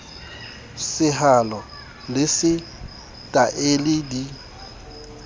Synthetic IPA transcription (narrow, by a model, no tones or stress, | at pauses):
sɪɦalɔ | lɪsɪ | tʼaʔelɪdi